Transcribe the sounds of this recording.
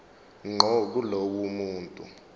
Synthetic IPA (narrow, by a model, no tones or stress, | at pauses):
ŋ͡ǃʱɔk̬ulowumuːntʼu